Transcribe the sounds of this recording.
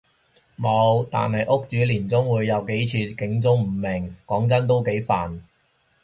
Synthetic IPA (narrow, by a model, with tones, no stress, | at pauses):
mo˨˧˥wt̪a̰ː˨nhɐ˨jʔʊ˥k̚t͡syː˨˥liː˨˩nt͡sʊ˥ŋwuː˨˧jːɐ˨˧wke˨˥jt͡sʰyː˧kɪ˨˥ŋt͡sʊ˥ŋm̩˨˩mɪ˨˩ŋkɔː˨˥ŋt͡sɐ˥nt̪o˥wke˨˥jfaː˨˩n